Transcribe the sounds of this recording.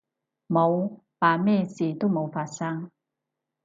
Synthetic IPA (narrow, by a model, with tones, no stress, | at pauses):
mo˨˧w | paː˨˧me˥˨si˨˦t̪u˥˨mo˨˧wfaː˨˧sa˧˥ŋ